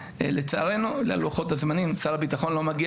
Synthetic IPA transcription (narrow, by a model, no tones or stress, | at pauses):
let͡saaʁe̞nulea̰luaχo̞t̪azmanimt͡saʁabit̪aχo̞nlo̞maɡi